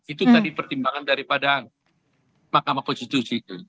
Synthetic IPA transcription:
it̪uk̪adipərt̪imbaŋandaɾipadaŋ | makamakɔnsit̪usi

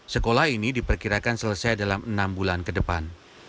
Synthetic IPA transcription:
səkolahinidipərkiɾakansələsajdalamənambulankədəpan

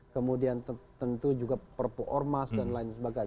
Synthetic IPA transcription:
kəmudiant̪ənt̪ud͡ʒuɡapərpuʔɔrmasdanlaɪnsəbaɡaj

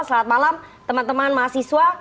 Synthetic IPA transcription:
səlamat̪̚malamt̪əmant̪əmanmaɦasisuwa

